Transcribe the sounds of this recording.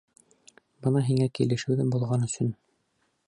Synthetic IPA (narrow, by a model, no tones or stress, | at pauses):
bɤnɑɦiŋækilɘ̆ʃɘ̆wðɘmbulˠʁɑnɵ̆sɵn